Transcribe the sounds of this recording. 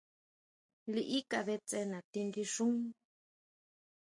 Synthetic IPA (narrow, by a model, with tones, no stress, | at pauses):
li˧ʔi˦ka˧˨βe˧t͡se˧nã˨t̪i˧ŋɡi˧ʂũ˦ŋ